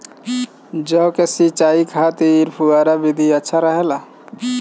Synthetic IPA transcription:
d͡ʒɔkesit͡ʃaikʰat̪iːɾpʰuɡaɾabid̪ʱiətːʃʰaɾəɦela

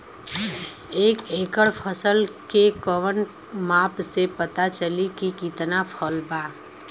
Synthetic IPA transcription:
eːkeːkəɽpʰəsəlkekəʋən | maːpsepət̪at͡ʃəlikikit̪napʰɔlbaː

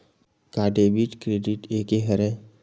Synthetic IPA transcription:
kaːɖeːbiʈkɾeːɖiʈeːkeɦɐɾe

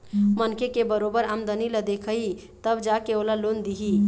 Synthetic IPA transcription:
mənkekebəɾobəɾamd̪əniləd̪ekʰəit̪əbd͡ʒakeolalond̪iɦi

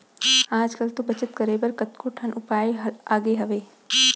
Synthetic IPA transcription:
aːd͡ʒkɐlt̪ubɐt͡ʃət̪kɐɾeːbɐɾkɐt̪koʈʰɐnʔʊpaːiɦaːɡeɦɐʋeː

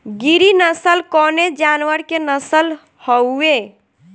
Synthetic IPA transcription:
ɡiɾinəsəlkɔned͡ʒanwəɾkenəsəl | hɔe

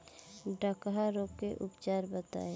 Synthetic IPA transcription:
ɖəkɦaɾoːpkeʔʊpt͡ʃaːɾbət̪a̰ːe

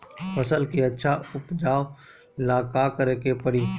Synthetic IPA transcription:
pʰɐsəlkiɐtːʃʰaʊpd͡ʒaːo | laːkakəɾekepɐɽi

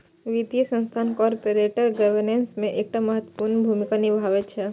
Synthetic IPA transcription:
ʋid̪ijəsə̃nst̪ʰaːnkɔːɾpəɾeːʈəɾɡəʋəɾnensmẽʔeːk̚ʈaməɦət̪wə̥puːɾnbʱumɪkanɪbʱaːʋətt͡ʃʰɛ

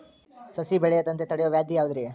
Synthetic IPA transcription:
sɐsibɛɭɛjɐt̪ɐnt̪et̪ɐɽejoʋjaːd̪ʱjijaːʋud̪ɐɾe

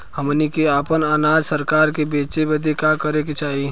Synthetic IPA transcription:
həmnikeaːpənaːnaːd͡ʒsəɾkaːɾkebeːt͡ʃebəd̪ʱekakəɾeket͡ʃaːɦi

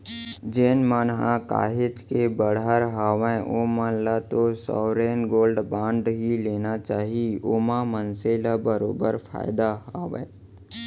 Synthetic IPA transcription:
d͡ʒeːnmaːnɦãka̰ːɦɪt͡ʃkebəɽəɾɦaːʋẽʔomãlat̪osɔ̰ːɾeːnɡoːlɖbãːɳɖɦileːnat͡ʃaːɦioːmãmənselabəɾo̰ːbəɾpʰa̰ːɪd̪aɦaːʋḛ̃ː

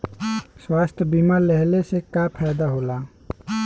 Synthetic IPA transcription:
swast̪ʰbimaɾleɦlesekapʰɛjd̪aɦola

